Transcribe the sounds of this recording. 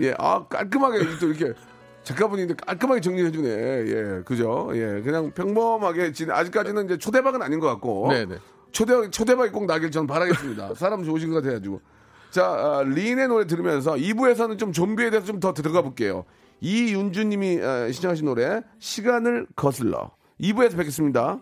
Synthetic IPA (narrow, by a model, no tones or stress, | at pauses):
je̞̰ʔa̰k͈a̰ɭk̬͈ɯmɦaɡeit͈oiɾʌkʰe̞ | t͡ɕek͈aboɲindek͈a̰ɭk͈ɯmɦaɡe̞t͡ɕʌŋɲiɦed͡ʑunḛjḛkɯd͡ʑoje̞̰kɯɲaŋpʰjʌŋbʌmɦaɡe̞t͡ɕ͈ina̰d͡ʑik͈ad͡ʑinɯniɲd͡ʑe̞t͡ɕʰode̞baɡɯnaɲinɡʌk͈at̚k̚k͈onen | t͡ɕʰodebaɡt͡ɕʰode̞baɡik͈oŋ̚naɡiɭt͡ɕʰʌnɯnpaɾaɡes͈ɯmɲida̰sʰaɾamt͡ɕoɯɕʰinɡʌkatʰeɡad͡ʑiɡo̰ | t͡ɕaʌʎine̞noɾe̞t̬ɯɾimjʌns̬ʰʌibue̞s̬ʰʌnɯnt͡ɕomt͡ɕombie̞deːsʰʌt͡ɕomtʌtɯɾɯɡabok͈e̞jo̰ | ijund͡ʑuɲimiʌɕʰid͡ʑakaɕ̬ʰinːoɾe̞ɕʰiɡanɯɭkʌsʰɯɭːʌ̰ | ibue̞sʰʌpekʰes͈ɯmɲida